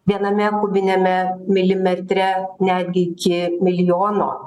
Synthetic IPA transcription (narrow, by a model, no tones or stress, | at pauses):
ʋʲiɛnɐmʲɛkʊbʲɪnʲɛmʲɛmʲɪlʲɪmʲɛt̪ʲɾʲɛnʲæːd̪ʲɡʲɪɪkʲɪmʲɪlʲjoːno̰ː